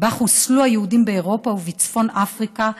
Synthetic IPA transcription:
baχusluajehudimbeeʁo̞pauvit͡sfo̞nʔafʁika

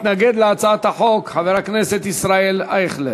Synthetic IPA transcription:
t̪naɡed̪leat͡saat̪aħokħaveʁakneset̪isʁaelaeχle

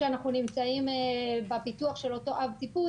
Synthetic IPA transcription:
eanaχnunimt͡saimbapituaχʃe̞lo̞to̞ʔavt̪ipu

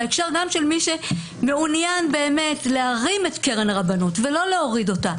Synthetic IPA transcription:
ekʃaʁɡamʃelmiʃe | meunjanbe̞ːme̞tleaʁime̞tkeʁenʁabanutvelo̞leo̞ʁido̞ta

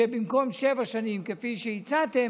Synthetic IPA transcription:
ebimko̞mʃevaʃanimkefiʃejit͡sat̪e̞

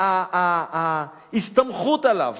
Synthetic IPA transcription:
a | ist̪amχut̪ala̰v

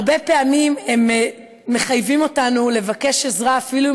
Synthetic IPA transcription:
be̞pe̞amime̞mː | e̞χajvimo̞tanule̞vake̞ʃe̞zʁaːfilu

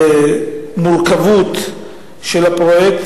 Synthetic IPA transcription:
mulkavut̪ | ʃelapʁojekt̪

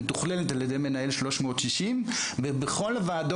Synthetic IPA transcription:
t̪uχlelet̪aljed̪ejmenaelʃlo̞ʃmo̞ːt̪ʃiʃimbebeχo̞lvaːdo

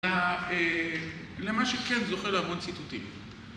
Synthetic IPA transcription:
ae | lemaʃekenzoχelaavont͡sit̪ut̪im

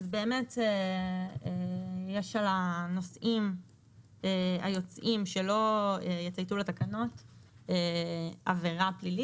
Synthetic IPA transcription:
azbe̞ːmete | ejeʃalano̞sʔim | ea̰jo̞t͡sʔimʃe̞lo̞ejet͡sajt̪uletakano̞t | eaveʁaplili

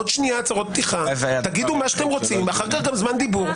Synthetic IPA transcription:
ot̪ʃniat͡saʁo̞t̪̚p̚t̪iχavt̪aɡid̪umaʃḁt̪emʁot͡simaχaʁkalɡamzmand̪ibuʁ

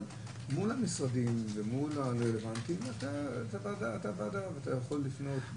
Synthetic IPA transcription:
mulamisʁadimvemulaʁelevant̪imat̪atavadaːt̪avadavat̪ajaχo̞lːifno̞t̪

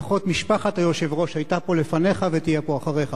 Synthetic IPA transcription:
aχo̞t̪miʃpaχat̪ajoʃevʁo̞ʃhajtapo̞lefane̞χavetijepo̞aχaʁeχa

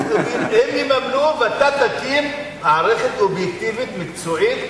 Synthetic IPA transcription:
hemjimamnuvat̪at̪akimmaʕɾeχet̪objek̚t̪ivit̪mikt͡soʕit̪

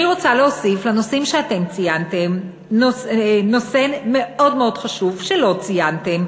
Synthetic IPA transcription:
iʁot͡saleosiflanosimʃeate̞mt͡sijantem | nosno̞se̞me̞odmeo̞d̥χaʃuvʃelo̞t͡sijante̞m

